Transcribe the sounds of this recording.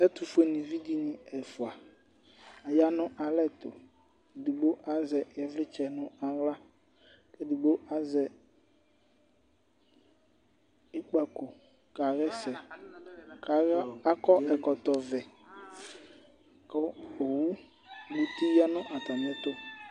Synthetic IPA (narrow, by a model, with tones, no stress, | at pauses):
ɛ˦t̪ʊ˨fʊ˦e˨nĩ˨vi˦di˦nɪ̃˨ɛ˨fʊ˨a˨ | a˨ja˦nʊ̃˦ʔa˨lɛ˦t̪ʊ̰˨ | di˨ɡ͡bo˦ʔa˦zɛ˨jɛ˨vlɪ˦t͡ʃɛ˨nʊ̃˦a˨wla˦ | ke˦di˨ɡ͡bo˦ʔa˨zɛ˨ | ɪ˦k͡pa˨ko˨ | ka˨ɣɛ˦sɛ˨ | a˨˦a˦kɔ˦ɛ˨kɔ˨t̪ɔ˨vɛ˨ | kɔ˦o˨wu˦ | bu˨t̪i˦ja˦nʊ̃˦ʔa˨t̪a˨mɛ̃˦t̪ʊ˦